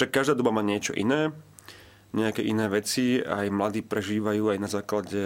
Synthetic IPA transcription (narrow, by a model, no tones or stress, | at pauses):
ʃakːaʒd̪aːd̪ɔbamaːɲɪɛt͡ʃɔ̰ʔḭnɛː | ɲɛakɛːʔinɛːʋɛt͡sia̰jmlad̪iːpɾɛʒiːʋajuːajnazaːklaɟɛ